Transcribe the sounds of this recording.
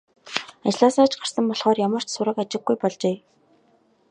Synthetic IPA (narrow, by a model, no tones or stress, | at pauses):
at͡ɕɮaːsaːt͡ɕɢarsə̆mpɔɮχɔːrjamə̆r̥t͡ɕsʊɾə̆kat͡ɕɪ̆ɡːujpɔɮt͡ɕeː